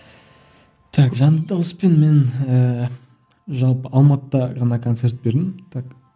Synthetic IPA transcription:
t̪ʰakʒɑnd̪ɑwəspenme̞nə | ʒɑlˠpəʔɑlˠmɑt̪əd̪ɑʁɑnɑkʰo̞nt̪se̞ɾt̪̚be̞ɾd̪ɪmt̪ʰak

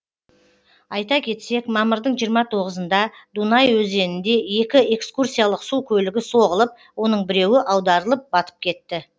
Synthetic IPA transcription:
ɑjt̪ɑkʲʰe̞t̪se̞kmɑməɾd̪əɴʒijəɾmɑt̪ʰo̞ʁəzənd̪ɑd̪unɑjwɵze̞nɪnd̪e̞je̞kʲɪe̞kskursʲijalˠəqsukʲʰɵlɪɡʲɪso̞ʁəlˠəp̚ | wo̞nəɴbɪɾe̞wɪʔɑwd̪ɑɾəlˠəp̚bɑt̪ə̥p̚kʲʰe̞t̪ːɪ

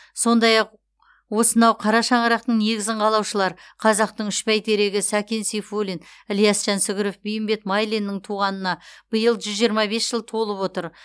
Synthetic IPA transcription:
so̞nd̪ɑjɑq | wo̞sənɑwqʰɑɾɑʃɑɴəɾɑq̚t̪əɴne̞ɡʲɪzɪɴqʰɑlˠɑwʃəlˠɑɾqʰɑzɑq̚t̪əɴʏʃpæjt̪ʰe̞ɾe̞ɡʲɪsækʲe̞nsifolʲinlʲijasʒɑnsʏɡʲɪɾofbijɪmbe̞t̪majlˠinːɪɴt̪ʰuʁɑnənɑb̥əjəlˠʒʏzʒijəɾmɑbe̞sʒ̥əlˠt̪ʰo̞lˠəpwo̞t̪əɾ

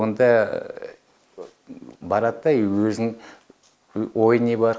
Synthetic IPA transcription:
ond̪ɑ | bɑɾɑt̪ːɑjwɵzɪŋ | wo̞jənebɑɾ

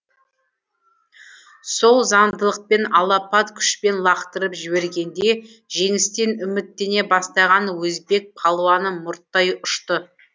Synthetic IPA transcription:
so̞lˠzɑnd̪əlˠəq̚pe̞nɑlˠɑpɑt̪kʲʰʏ̥ʃpe̞nlˠɑqt̪əɾəpʒɪβe̞ɾɡʲe̞nd̪e̞ | ʒe̞ŋɪst̪e̞nʏmɪt̪ːe̞ne̞bɑst̪ɑʁɑnwɵzbe̞k̚pʰɑlˠuɑnəmʊɾt̪ːɑjʊʃt̪ə

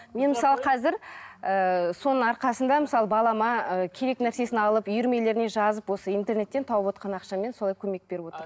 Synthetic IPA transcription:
me̞nməsɑlˠəqʰɑzɪɾəso̞nəɴɑɾqɑsənd̪ɑməsɑlˠəbɑlˠɑmɑəkʲʰe̞ɾe̞knæɾse̞sɪnɑlˠəpʏjʏɾme̞le̞ɾɪne̞ʒɑzəpwo̞səijnt̪e̞rne̞t̪ːe̞nt̪ʰɑwəpwot̪qɑnɑqʃɑme̞nso̞lˠɑjkʲʰɵme̞k̚b̥e̞ɾɪpwo̞t̪əɾ

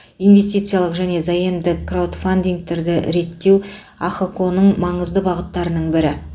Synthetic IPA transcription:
inve̞st̪ijt̪sɨjalˠəqʒæne̞zɑjəmd̪ɪkrawd̪fand̪iŋɡ̚t̪eɾd̪ɪɾe̞t̪ːe̞w | aχokonəɴmɑɴəzd̪əbɑʁət̪ːɑɾənəɴbɪɾɪ

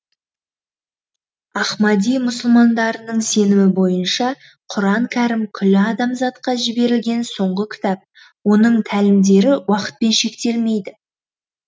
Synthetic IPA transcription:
ɑχmɑd̪ijmʊsʊlˠmɑnd̪ɑɾənəɴse̞nɪmɪbo̞jənʃɑ | qʰʊɾɑŋkʲʰæɾɪmkʲʰʏlɪɑd̪ɑmzɑt̪qɑʒɪbe̞ɾɪlɡʲe̞nso̞ɴʁəkʲʰɪ̥t̪ɑp̚ | wo̞nəɴt̪ʰælɪmd̪e̞ɾɪwɑqə̥t̪̚pe̞nʃe̞kt̪e̞lme̞jd̪ɪ

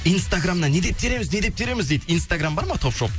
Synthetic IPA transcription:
ijnst̪aɡramnɑne̞d̪e̞p̚t̪ʰe̞ɾe̞mɪzne̞d̪ep̚t̪ʰeɾe̞mɪzd̪e̞jd̪əijnst̪aɡrambɑɾmɑt̪ʰo̞pʃop̚

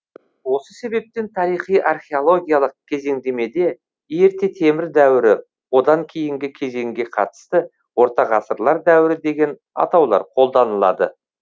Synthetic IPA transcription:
wo̞səse̞be̞p̚t̪e̞nt̪ʰɑɾijχijʔɑrχʲe̞olˠo̞ɡʲijalˠəq̚kʲʰe̞ze̞ŋd̪e̞me̞d̪e̞ | jeɾt̪e̞t̪ʰe̞mɪɾd̪æwɪɾɪ | wo̞d̪ɑŋkʲʰejɪŋɡʲɪkʲʰe̞ze̞ŋɡʲe̞qʰɑt̪ə̥st̪ə | wo̞ɾt̪ɑʁɑsəɾlˠɑɾd̪æwɪɾɪd̪e̞ɡʲe̞n | ɑ̰t̪ɑwlˠɑ̰ɾqʰo̞lˠd̪ɑnəlˠɑ̰d̪ə

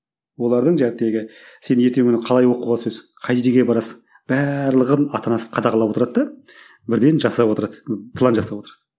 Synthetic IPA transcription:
wo̞lˠɑɾd̪əɴʒæɾɪt̪e̞ɡʲɪse̞nɪnet̪eŋkʰʏnɪqʰɑlˠɑjwo̞quʁɑsɵzqʰɑj̪d̪eɡʲebɑɾɑsəɴ | b̥æɾlˠəʁənɑt̪ɑnɑsə̥qʰɑd̪ɑqɑlˠɑpwo̞t̪əɾɑd̪d̪ɑ | bɪɾd̪e̞nʒɑsɑpwo̞t̪əɾɑd̪əpʰlˠanʒɑsɑpwo̞t̪əɾɑd̪ə

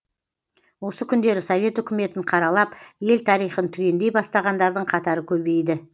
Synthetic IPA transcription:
wo̞səkʲʰʏnd̪e̞ɾɪsovʲe̞t̪ʏkʲɪme̞t̪ɪɴqʰɑɾɑlˠɑpje̞lt̪ʰɑɾijχənt̪ʰʏkʲe̞nd̪e̞jbɑst̪ɑʁɑnd̪ɑɾd̪əɴqʰɑt̪ɑɾəkʲʰɵbe̞jd̪ɪ

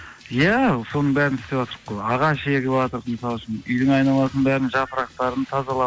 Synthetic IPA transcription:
jæso̞nəɴbæɾɪnʰʏ̥st̪epʒɑt̪əɾəqːojɑʁɑʃeɡʲeɑt̪əɾqməsɑlˠʃənʏjd̪ɪŋɑjnɑlˠɑsənbæɾɪnʒɑpəɾɑq̚t̪ɑɾənt̪ʰɑzɑlˠɑ

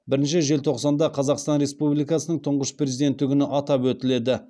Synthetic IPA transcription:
bɪɾɪnʃɪʒe̞lt̪ʰo̞qsɑnd̪ɑqʰɑzɑqst̪ɑnɾe̞spublijkɑsənəɴt̪ʰʊɴʁəʃpre̞zid̪e̞nt̪ːɪɡʲɪnɪʔɑt̪ɑpwɵt̪ɪle̞d̪ɪ

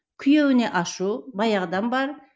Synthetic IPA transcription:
kʲʰʏjewɪne̞ʔɑʃubɑjɑʁd̪ɑnbɑɾ

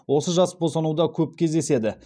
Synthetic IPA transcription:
wo̞səʒɑsbosɑnuwd̪ɑkʲʰɵp̚kʲʰe̞zd̪e̞se̞d̪ɪ

